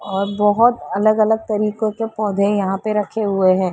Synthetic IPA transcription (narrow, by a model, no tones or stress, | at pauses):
ɔːɾbɔɦʊt̪ɐləɡɐləɡ̚t̪ɐɾiːqõkepɔːd̪ʱẽjɐɦãpeɾɐkʰeɦʊeɦɛ̃ː